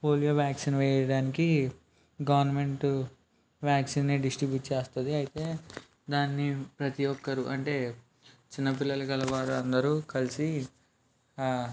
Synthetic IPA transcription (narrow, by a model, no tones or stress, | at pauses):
po̞ːlijoːʋjaːksinʋɛːjːjɐɽaːniki | ɡɐʋɐɾnɐme̞ɳʈ | ʋjaːksiːnːiɖisʈɾibjuːʈ̚t͡ʃeːst̪ɐd̪iɐjit̪e̞ː | d̪aːnːipɾɐt̪iɔkːɐɾuʔɐɳʈe̞ː | t͡ʃinːɐpilːɐlɐkɐlɐʋaːɾuɐnd̪ɐɾuːkɐlisi